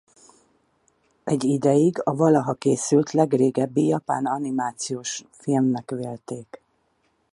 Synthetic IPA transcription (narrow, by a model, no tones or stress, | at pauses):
ɛɟːid̪ɛjiɡɒvɒlɒɦɒkeːsylt̪lɛɡreːɡɛbːijɒpa̰ːnɒnimaːt̪sijoːʃ | filmnɛkʋeːlt̪eːk